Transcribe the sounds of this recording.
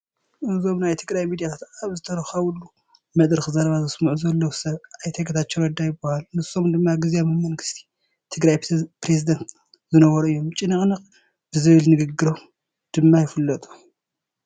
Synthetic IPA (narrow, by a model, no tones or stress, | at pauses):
ʔɨzo̞mnajt̪ʰɨɡɾajmid̪ijat̪ʰat̪aβzɨt̪ʰɐɾɐxɐwulːu | mɐd̪ʼɾɨxzɐɾɐβazɨsmuʕuzɐlːɐwsɐβʔajt̪ʰeɡɐt̪ʰat͡ʃːoɾɐd̪ajɪbːahalnɨsːo̞md̪ɨmːaɡɨzjamɨmɐŋɡɨst̪ʰi̥ | t̪ʰɨɡɾajpɾezid̪ɐnt̪ | zɨnɐβɐɾuɨjːo̞mt͡ʃʼɪnɨχʼnɨqʼ | b̥ɨzɨβɨlnɨɡɨɡɨɾom | d̪̥ɨmːajɪfɨlːɐt̪ʼu̥